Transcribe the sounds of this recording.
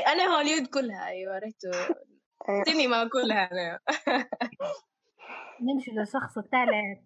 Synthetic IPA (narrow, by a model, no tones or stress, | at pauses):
ʔænæhaljuːd̪kʊlːhæʔæjːwæɾˤɑt̪ | t̪inimaʕkʊlːhænæ | nɪnfɪd̪ʊʃːɑxsˤbt̪aʕlæ